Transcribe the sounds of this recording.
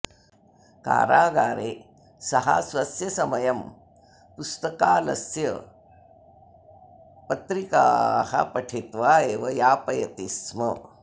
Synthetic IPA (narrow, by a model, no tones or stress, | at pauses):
ka̰ːɾaːɡaːɾeː | sɐɦa̰sʋɐsjɐsɐmɐjɐm | pust̪ɐkaːlɐ̰sjɐ | pɐt̪ɾika̰ːhɐ̰pɐʈʰet̪ʋaːeːʋɐjaːpɐjɐt̪ismɐ